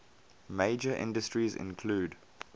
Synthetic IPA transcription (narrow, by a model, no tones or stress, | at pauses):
meɪd͡ʒəʔɪ̰̃ndəstɹizɪ̰̃nkʰluːd